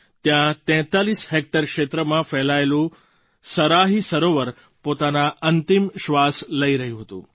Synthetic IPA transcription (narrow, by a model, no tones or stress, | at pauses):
t̪jãt̪ɛ̃t̪alisɦek̚ʈəɾkʃet̪ɾəmãfɛlaelũ | səɾaɦisəɾoʋəɾ | pot̪anaʔənt̪ɪmʃʋasləiɾəɦijũɦət̪ṵ̃ː